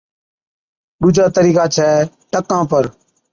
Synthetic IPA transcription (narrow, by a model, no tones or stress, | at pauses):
ɗuːd͡ʒʱaːt̪əɾiːkaːt͡ʃʰɛː | ʈəkãːpəɾ